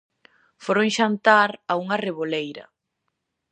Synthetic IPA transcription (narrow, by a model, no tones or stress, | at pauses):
foɾoŋʃant̪aɾauŋɐreβolejɾɐ̰